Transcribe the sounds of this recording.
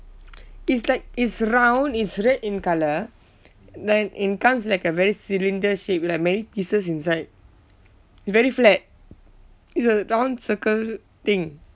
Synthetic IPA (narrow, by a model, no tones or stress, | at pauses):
itslaɪk̚itsɹãw̃nitsɹɛtĩnkalə | dɛ̃nʔit̚kãmslaɪkəvɛɹisilĩndəʃep̚lak̚mɛnipisəs̬ĩnsaɪd̚ | itsvɛɹiflɛt̚ | itsəɹãʊ̃nsəkəl | t̪ɪ̃ŋ